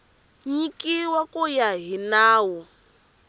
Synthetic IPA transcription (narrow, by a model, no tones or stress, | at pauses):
ɲikiwakʼujaɦinaːwɔ